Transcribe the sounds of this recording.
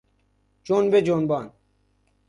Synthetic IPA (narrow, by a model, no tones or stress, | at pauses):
t͡ʃonbed͡ʑoːnbaːn